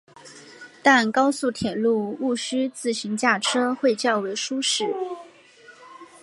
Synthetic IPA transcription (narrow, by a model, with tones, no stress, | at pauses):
t̪a˥˩nkɑ˥ʊsu˥˩t̪ʰjɛ˨˩lu˥˧u˥˩ɕy˥t͡sɹ̩˥˩ɕi˧˥ŋt͡ɕja˥˩ʈ͡ʂʰɤ˥xwe˥˧ɪt͡ɕjɑ˥˩ʊwe˧˥ɪʂu˥ʂɻ̩˥˩